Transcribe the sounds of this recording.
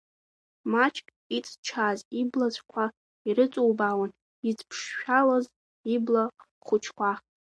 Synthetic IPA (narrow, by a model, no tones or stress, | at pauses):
mat͡ʃʰʼkʼ | it͡sʼt͡ʃʰaziblat͡ɕʷʰʼkʷʰa | iɾɨt͡sʼowbawan | id͡zpʰʂːᶣalaz | ibla | χʷʊt͡ʃʰkʷʰa